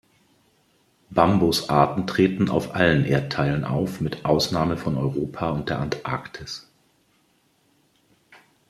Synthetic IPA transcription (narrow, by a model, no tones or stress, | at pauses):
b̥ambosʔaːɐtn̩tʁ̥eːtn̩a̰ʊfʔalənʔeːɐttʰaɪlənʔa̰ʊfmɪtʔaʊsnaːməfɔnɔʏʁoːpʰaʊnt̚d̥eːɐʔantʔa̰ɐktʰɪs